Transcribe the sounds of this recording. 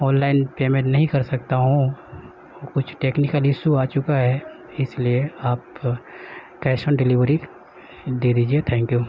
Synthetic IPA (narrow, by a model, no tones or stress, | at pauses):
ɔːnlaːɪnpeːmẽnɐɦĩkɐɾsɐk̚t̪aɦũ | kʊt͡ʃʰʈeːknɪkəlɪʃuaːt͡ʃʊkaɦɛ | ɪslieaːp | kɛːsənɖɪlɪʋɾi | d̪eːd̪iːd͡ʒiet̪ʰɛ̃ːŋkjuː